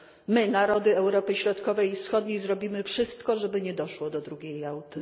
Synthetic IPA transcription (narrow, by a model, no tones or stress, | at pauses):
mɘnaɾɔd̪ɘɛwɾɔpɘɕɾɔt̪kɔvɛjifsxɔd̪ɲejzɾɔbʲimɘfʂɘst̪kɔʐɛbɘɲɛd̪ɔʂwɔd̪ɔd̪ɾuɡʲejawt̪ɘ